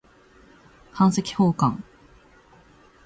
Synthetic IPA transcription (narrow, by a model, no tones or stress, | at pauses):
hãɰ̃se̞kʲi̥hoːkãŋ